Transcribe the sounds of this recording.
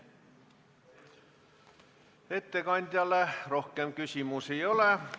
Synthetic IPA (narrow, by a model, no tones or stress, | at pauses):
et̪ːekɑnt̪ʲjɑlːerohkem̚kysʲimusejole